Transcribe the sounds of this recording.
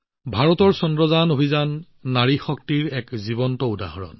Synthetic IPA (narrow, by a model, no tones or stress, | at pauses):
bʱaɹɔtɔɹsɔndɹɔzanobʱizanː | aɹixɔk̚tiɹɛkziβɔntɔuda̰ɦɔɹɔ̰n